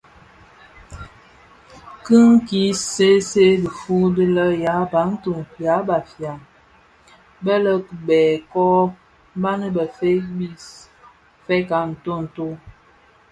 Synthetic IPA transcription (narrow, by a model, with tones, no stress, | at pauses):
kɨ˦ŋ̩˦ki˨˦se˦se˦də˨fu˦də˦lə˦ja˨˦ba˨˦n̩˦tu˨ŋja˨˦ba˨fja˨m | bɛ˦lə˦kbɛː˨kɔ˦ | m̩˦ba˦nə˦bə˨fe˦bi˦s | fɛ˦ka˨n̩˨to˦n̩˨to˦